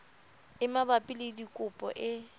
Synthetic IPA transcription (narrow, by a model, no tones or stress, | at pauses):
ɪmabapʼɪledikʼʊpʼɔ̰ʔɪ